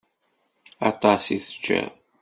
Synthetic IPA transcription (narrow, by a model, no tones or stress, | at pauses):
ɑt̪ˤɑsiθə̥t͡ʃːə̰ɾ